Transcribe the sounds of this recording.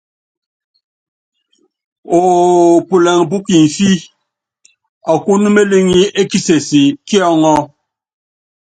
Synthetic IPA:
o˨pu˨lɛ˨ŋ˨p̬u˦ki˨n̩˨fi˦ | ɔ˨ku˦nu˦me˦li˦ŋi˦e˦ki˦se˨si˨ki˦ɔ˦ŋɔ˦

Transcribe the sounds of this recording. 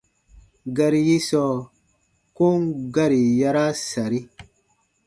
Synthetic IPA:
ɡa˧ɾi˦ji˦sɔ˦˨ | ko˦ŋɡa˦ɾi˨ja˧˦ɾa˦sa˨ɾi˦

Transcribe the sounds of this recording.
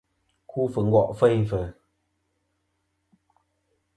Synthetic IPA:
kʰu˦fə˨ŋ̩ɡɔ˨ʔfə˦˨jfə˨

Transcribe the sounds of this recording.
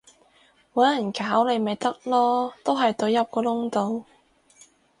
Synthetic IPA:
wɐ˨˥ɐ˨˩nkaː˨˥wle˨˧jme˨jt̪ɐ˥k̚lɔː˥t̪o˥wɦɐ˨jt̪ɵ˨˧ɥjɐ˥p̚kɔː˧lʊ˥ŋt̪o˨˧w

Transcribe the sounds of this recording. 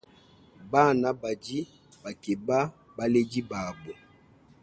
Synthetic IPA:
ba˦˨na˨ba˨d͡ʒi˦ | ba˨ke˨ba˦ | ba˦le˦d͡ʒi˦ba˨bo˨

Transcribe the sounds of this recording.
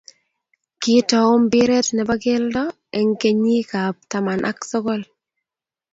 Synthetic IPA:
kɪ˦tɔ˨o˦mbɪ˦ɾe˦t̪nɛ˨ba˦ɡɪ˦ldɔ˦ | ɛ˨ŋke˦ɲi˦ka˨p̚ta˨ma˨nʔa̰˦ksɔ˦ɡɔ˦l

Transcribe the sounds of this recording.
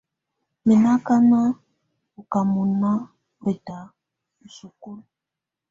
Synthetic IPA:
mi˨na˦ka˦na˦ | u˨ka˨mu˨na˦ | e˨da˨ | u˨su˨ku˦l

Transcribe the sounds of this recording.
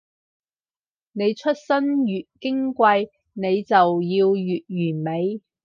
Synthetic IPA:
ne˨˧jt͡ʃʰɵ˥t̚sɐ˥njyː˨t̚kɪ˥ŋkʷɐ˧j | ne˨˧jt͡sɐ˨wjiː˧wjyː˨t̚ɥyː˨˩nme˨˧j

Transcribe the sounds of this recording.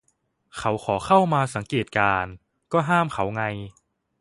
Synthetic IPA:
kʰa˩˦˥wxʰɔː˩˦xʰa˥˩wmaː˧sa˩˦ŋkeː˨˩t̪̚kaː˧n | kɔː˥˩ɦaː˥˩mkʰa˩˦wŋa˧j

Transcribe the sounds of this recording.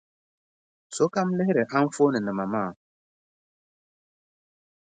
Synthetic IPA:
so˨˦ka˦m˦le˦ɾe˨ha˦m̩˦fo˦nɨ˨nɨ˨ma˨maː˦˨

